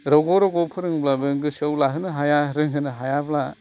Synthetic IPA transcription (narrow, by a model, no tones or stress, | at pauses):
ɾɔɡɔɾɔɡɔpʰɯɾɯŋblabɯŋɡɯsɯwlaɦɯnɯɦajaɾɯŋɦɯnɯɦajabla